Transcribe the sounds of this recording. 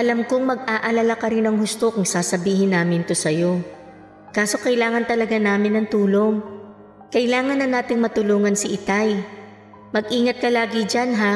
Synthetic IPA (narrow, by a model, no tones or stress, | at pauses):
ʔɐlɐmkoŋmɐɡ̚ʔaːʔɐlalakɐɾɪnɐŋhʊst̪o̞kʊŋsaːsɐbiːɦɪnːaːmɪnt̪osɐjo̞ | kaːso̞kɐɪlaːŋɐnt̪ɐlɐɡanaːmɪnɐŋt̪uːlo̞ŋ | kɐʔɪlaːŋɐnːɐnaːt̪ɪŋmɐt̪ʊluːŋɐnsɪʔɪt̪aj | mɐɡ̚ʔiːŋɐt̪̚kɐlaːɡɪd͡ʒanɦa